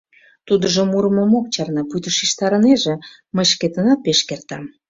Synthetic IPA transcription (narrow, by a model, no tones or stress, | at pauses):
t̪ud̪əʒomuɾəmomok̚t͡ɕɑrnɑput̪əʃiʃt̪ɑɾəneʒĕ | məjʃket̪ənɑt̪̚peʃkert̪ɑm